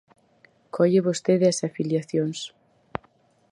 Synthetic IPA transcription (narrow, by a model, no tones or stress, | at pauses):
kʰoʎeβost̪eðeɐsafiljaθjoŋs